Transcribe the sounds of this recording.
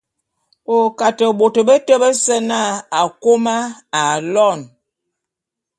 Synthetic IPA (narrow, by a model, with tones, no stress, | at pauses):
o˨ka˨tə˨ɓo˨tə˨bə˦tə˦bə˦sə˦na˦˨a˨ko˦ma˦a˨lɔ˦˨n